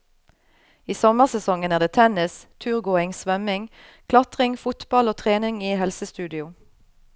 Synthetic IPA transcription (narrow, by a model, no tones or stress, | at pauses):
iːsɔməʁsɛsɔŋənæʁd̪eːt̪ʰɛnɪst̪ʰʉːʁɡoːɪŋsʋœmɪŋkʰlɑt̪ʁɪŋfʊt̪b̥ɑloːt̪ʰʁeːnɪŋiːhɛlsəst̪ʉːd̪ɪʊ